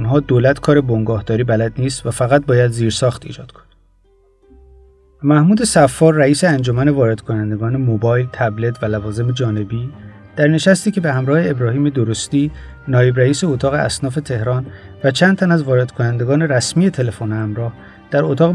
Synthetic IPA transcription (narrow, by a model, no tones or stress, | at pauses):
nɦɒːd̪oːlæt̪kʰɒːɾe̞boŋɡɒːhd̪ɒːɾiːbælæd̪niːst̪væfæɣæt̪̚bɒːjæd̪ziːɾsɒːxt̪ḭːd͡ʒɒːd̪̥̚kʰo̥n | mæhmuːd̪e̞sæfːɒːɾːæiːseænd͡ʒomæne̞vɒːɾe̞d̪̥kʰonænd̪e̞ɡɒːne̞mobɒːjlt̪ʰæble̞t̪ʰvælævɒːze̞med͡ʒɒːne̞biː | d̪̥æɾne̞ʃæst̪iːcʰe̞behæmɾɒːheːbɾɒːhiːme̞d̪oɾost̪iː | nɒːje̞bɾæiːseot̪ʰɒːɣeæ̰snɒːfe̞t̪ʰe̞hɾɒːnvæt͡ʃʰæːnd̪t̪ʰænæzvɒːɾe̞d̪kʰo̞nænd̪e̞ɡɒːne̞ɾæsmije̞t̪ʰe̞le̞fonhæmɾɒːh | d̪̥æɾot̪ʰɒːɣe